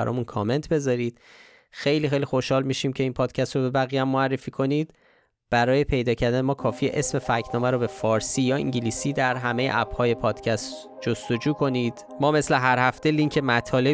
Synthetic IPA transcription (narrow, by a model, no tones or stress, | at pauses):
æ̰ɾɒ̰ːmunkʰɒme̞nt̪ʰbe̞zɒɾiːd̪̥ | xe̞jliːxejlixo̞ʃhɒːlmiːʃiːmcʰe̞inpʰɒːd̪̥cʰæst̪ɾobe̞bæɣijæmːoærːe̞fiːkʰo̞niːd̪̥ | b̥æɾɒːje̞pʰe̞jd̪ɒːcʰæɾd̪ænemɒːkʰɒːfiːeʔesme̞fæcʰnɒːmæɾobe̞fɒːɾsiːjɒːḭŋɟiliːsiːd̪æɾɦæme̞jeʔæb̥hɒːje̞pʰɒːd̪̥cʰæst̪ | d͡ʒo̞st̪o̞d͡ʒuːkʰo̞niːd̪̥ | mɒːme̞sleɦæɾhæft̪eliŋcʰemæt̪ʰɒːle̞